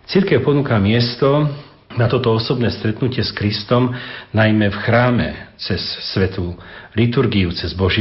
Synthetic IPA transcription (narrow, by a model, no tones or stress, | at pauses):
t͡siɾkɛʊpɔnukamɪɛst̪ɔ | nat̪ɔt̪ɔɔsɔbnɛːst̪ɾɛt̪nucɪɛskɾist̪ɔmnajmɛfxɾaːmɛ̰t͡sɛsːʋɛt̪ulit̪uɾɡiut͡sɛzbɔʒ